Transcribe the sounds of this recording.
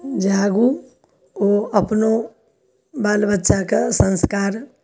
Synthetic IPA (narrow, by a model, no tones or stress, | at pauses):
d͡ʒaːɡu | oːəpno | baːlbətːʃakasə̃nskaːɾ